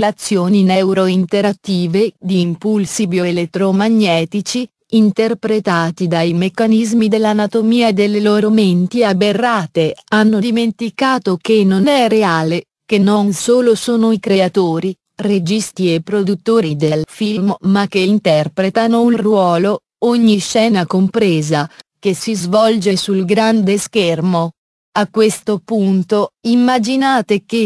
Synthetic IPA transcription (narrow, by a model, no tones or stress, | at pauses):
lat̪sːjoːninɛwɾoint̪eɾat̪ːiːved̪iːmpulsibjoelet̪ːɾomaɲːɛːt̪it͡ʃiː | nt̪erpɾet̪aːt̪id̪ajmekːanizmid̪elːanat̪omiːaed̪elːeloːɾoment̪iaberːaːt̪eanːod̪iment̪ikaːt̪okenːonɛreaːle | k̟enːonsoːlosoːnoikɾeat̪oːɾi | red͡ʒist̪iepːɾod̪ut̪ːoːɾid̪elfiilmmak̟ːeint̪ɛrpɾet̪anourwɔːlo | oɲːiʃːɛːnakompɾeːzak̟esizvɔld͡ʒesulɡɾand̪eskermo | akːwest̪opunt̪oimːad͡ʒinaːt̪ek̟e